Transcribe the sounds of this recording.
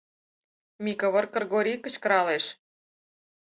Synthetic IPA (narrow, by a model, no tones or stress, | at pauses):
mʲikəβɤ̆rkə̆rɣoɾʲikə̆t͡ɕkə̆ɾɑleʃ